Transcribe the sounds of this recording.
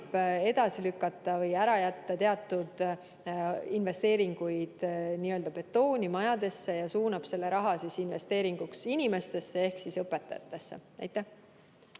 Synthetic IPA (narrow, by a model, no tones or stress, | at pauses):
b̥e̞d̪̥ɑsilykːˑɑt̪ːˑɑvɤjæɾɑjæt̪ːɑt̪e̞ɑt̪ːˑud̪̥ | inve̞st̪e̞ːɾiŋɡ̥ujd̪̥niːø̞ld̪ɑpe̞t̪ːo̞ːnʲimɑjɑd̪e̞sːe̞jɑsuːnɑb̥se̞lːe̞ɾɑɦɑsisinve̞st̪e̞ːɾiŋɡ̥uksinʲime̞st̪e̞sːe̞e̞hksisɤpːˑe̞t̪ːɑjɑ̰t̪ːˑe̞sːe̞̰næ̰jt̪ːˑeh